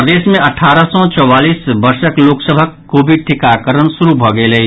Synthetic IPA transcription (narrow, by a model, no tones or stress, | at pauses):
pɾəd̪eːsmẽɐʈʰaːɾəsɔt͡ʃɔwaːliːsbəɾsəkloːksəbʱəkː | oːbʱiʈʰɪkaːkəɾənsʊɾubʱɔɡəelɐi